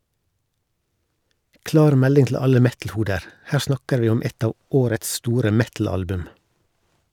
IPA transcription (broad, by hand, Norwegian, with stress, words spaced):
ˈklɑːɾ ˈmɛlɪŋ tl̩ ˈɑlə ˈmɛtl̩ˌhuːdəɾ ˈhæː ˈsnɑkəɾ ˈʋiː ˈɔm ˈɛt ˈɑː ˈoːɾəts ˈstuːɾə ˈmɛtl̩ˌɑlbʉm